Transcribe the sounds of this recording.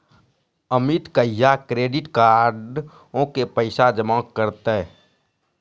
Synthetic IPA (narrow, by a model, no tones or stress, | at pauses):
əmit̪kəjːakɾeːɖɪʈkaːɖ | õkepəɪsad͡ʒəmɔ̃ːkːəɾt̪ɛ